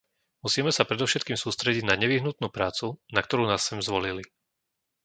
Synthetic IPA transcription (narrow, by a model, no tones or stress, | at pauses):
musiːmɛsapɾɛd̪ɔʊʃɛt̪̚kiːmsuːst̪ɾɛɟiɟnaɲɛʋiɦnut̪nuːpɾaːt͡sunak̚t̪ɔɾuːnaːsːɛmzʋɔlili